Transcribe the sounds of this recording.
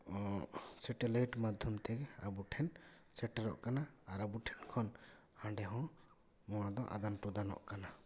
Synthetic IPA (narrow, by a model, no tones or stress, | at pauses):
ɔsɛʈɛlajʈmad̪ʱjɔmt̪ɛɡɛa̰buʈʰɛn | sɛʈɛɾɔ̰ʔkanaːɾabuʈʰɛnkʰɔn | hãɳɖɛɦɔ̃ | mɔ̃wad̪ɔʔa̰d̪anʈud̪anɔ̰ʔkana